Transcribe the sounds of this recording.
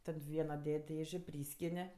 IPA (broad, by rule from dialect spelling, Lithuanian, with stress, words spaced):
ˈtɐt ˈʋʲiɛnɐ ˈdʲɛtʲ ˈdʲeːʒʲeː ˈpʲrʲiːsʲkʲɪnʲɪ